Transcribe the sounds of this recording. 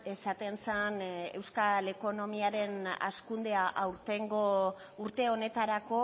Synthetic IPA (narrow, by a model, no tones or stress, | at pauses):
e̞sat̪e̞nsane̞̰wskale̞ko̞no̞miaɾe̞na̰skund̪e̞aʔawɾt̪e̞ŋɡo̞ | uɾt̪e̞o̞ne̞t̪aɾako̞